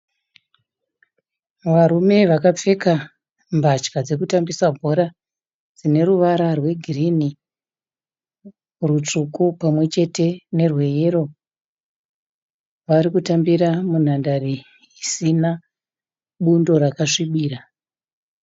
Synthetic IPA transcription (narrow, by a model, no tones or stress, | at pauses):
ʋaɾume̞ʋakap͡fe̞ka | mbʱat͡ʃkad͡ze̞kutambisabʱo̞ɾa | d͡zine̞ruʋaɾarwe̞ɡʱirini | rut͡ʂukupamwe̞t͡ʃe̞te̞ne̞rwe̞je̞ɾo | ʋaɾikutambiɾamun̤andaɾi | isina | ɓundo̞ɾakaʂiɓiːra